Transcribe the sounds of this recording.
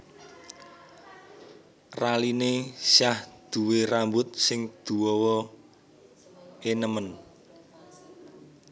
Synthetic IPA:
ralinesjahd̪̥ṳweɾambʊt̪̚sɪŋd̪̥uwɔwɔ | enəmən

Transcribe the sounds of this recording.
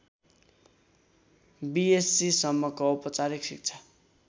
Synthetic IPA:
biesːisʌmːʌkoɔpʌt͡saɾiksḭk̚t͡sʰʌ̥

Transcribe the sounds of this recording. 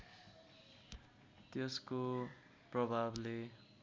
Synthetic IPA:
t̪jesko | prʌbʱable

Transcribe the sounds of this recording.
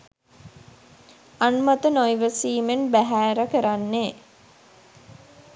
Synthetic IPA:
anmat̪ənojʋəsiːmenbæɦæːɾəkəɾanːeː

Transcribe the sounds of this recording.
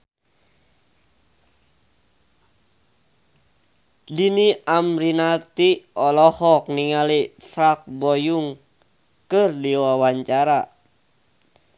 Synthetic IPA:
diniʔamɾinat̪iʔɔlɔhɔk̚niŋalifɾak̚bɔjuŋ | kɨrdiwawaɲt͡ʃaɾa

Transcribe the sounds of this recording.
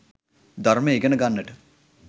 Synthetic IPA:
d̪ɐrmeːɡənəɡanːəʈə

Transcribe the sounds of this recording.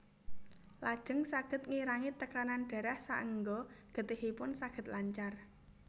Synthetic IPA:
lad̥ʒ̥ə̤ŋsaɡ̥ə̤t̪̚ŋiɾaŋit̪əkananɖ̥ɛ̤ɾɛhsa̰ʔəŋɡɔɡ̥ə̤t̪ɪhipʊnsaɡ̥ə̤t̪̚laɲt͡ʃar

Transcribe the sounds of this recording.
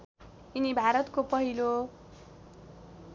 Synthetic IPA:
inibʱaɾʌt̪kopʌɦilo

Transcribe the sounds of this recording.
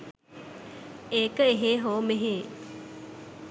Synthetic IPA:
eːkəeɦeːɦoːmeɦeː

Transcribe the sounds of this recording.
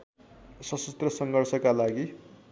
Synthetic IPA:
sʌsust̪rʌsʌŋɡʌrsʌkalaɡi

